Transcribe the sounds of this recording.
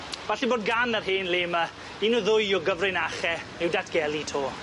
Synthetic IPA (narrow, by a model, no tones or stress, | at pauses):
v̥aɬiboːd̚ɡanərɦeːnleːma | inuðʊjɔɡəvrɪnaχɛ | ɪwdatʰɡ̥ɛlˠitʰoː